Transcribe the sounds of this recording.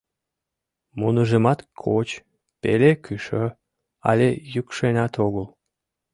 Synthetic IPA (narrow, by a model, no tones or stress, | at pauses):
munəʒemɑt̪kʰot͡ɕ | pḛlekyʃø | ɑ̰lʲejykʃenʲɑt̪oɣəl